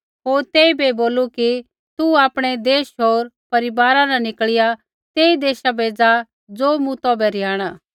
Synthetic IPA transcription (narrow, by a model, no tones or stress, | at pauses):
ɦoːɾt̪eːibeboːluki | t̪uaːpɽ̃ed̪eːʃɦoːɾpɐɾɪbaːɾãnanɪkɭɪja | t̪eːid̪eːʃabeːd͡za | d͡zoːmũt̪obɛɾɪjaːɽ̃aː